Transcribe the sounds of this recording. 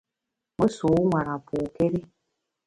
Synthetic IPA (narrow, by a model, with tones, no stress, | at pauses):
mo˦su˨˦ŋʷa˨ɾa˨pʰʊ˨ke˦ɾi˦